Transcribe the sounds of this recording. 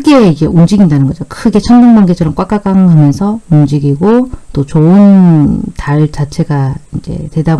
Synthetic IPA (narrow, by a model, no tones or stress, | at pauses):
ɡe̞id͡ʑe̞ʔumd͡ʑiɡindanɯnɡʌd͡ʑokʰɯɡe̞t͡ɕʰʌnbuŋbaŋɡet͡ɕʰʌɾʌmk͈wak͈ak͈aŋɦamjʌnsʰʌumnd͡ʑiɡiɡot͈ot͡ɕoɯntaɭt͡ɕat͡ɕʰe̞ɡaind͡ʑe̞̰twe̞dab